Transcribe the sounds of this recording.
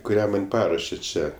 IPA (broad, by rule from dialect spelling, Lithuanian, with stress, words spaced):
kʊˈrʲæː mɐnʲ ˈpɑːruɔʃʲeː ˈt͡ʃʲɛ